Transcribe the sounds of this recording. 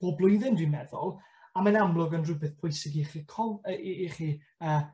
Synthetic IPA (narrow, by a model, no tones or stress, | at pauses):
b̥oːblˠʊjðɪndwimɛðʊ̰lˠ | amanamlˠʊɡənrʊbɪθpʰʊjsɪɡiχikʰɔiχi | əː